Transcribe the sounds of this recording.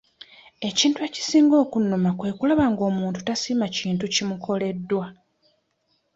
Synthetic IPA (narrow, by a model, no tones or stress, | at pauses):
e̞ciːntue̞ci̥siːŋɡo̞ːkunːomakwe̞ːkulaβaŋɡo̞ːmuːntu̥tasiːmaciːntucimukʰo̞le̞dːwa